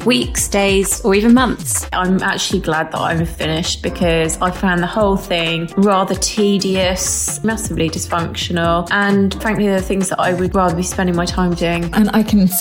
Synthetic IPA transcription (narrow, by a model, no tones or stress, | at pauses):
wiˑksd̥eɪz̥əɹiːvə̃nmʌ̃nθsʔãɪ̃mʔa̰k̚t͡ʃʉl̩ˠiɡlad̪̚ðə̰tã̰ɪ̃fɪnɪʃt̚b̥ɪkʰɒzaɪfãʊ̃nðəhoʊlˠθɪ̃ŋɹɑːðətʰiːdiəsmasəblidɪsfʌ̃ŋkʃənəlˠʔə̃nfɹãŋkliðəθɪ̃ŋzðə̰ʔa̰ɪwəd̚ɹɑːðəbispɛ̃ndɪ̃ŋmaɪtʰãɪ̃mdʉɪ̃ŋʔə̃na̰ɪkʰə̃n